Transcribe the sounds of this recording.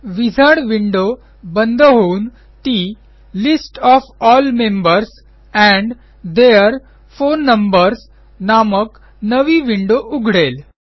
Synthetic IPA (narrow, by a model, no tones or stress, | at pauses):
ʋid͡zʱaɽʋiɳɖo | bənd̪ʱɦoun | t̪i | lisʈɔfɔːlmembəɾs | ɛ̃ɳɖ | d̪eəɾ | fonːəmbəɾs | namək | nəʋiʋiɳɖoʔuɡʱɽel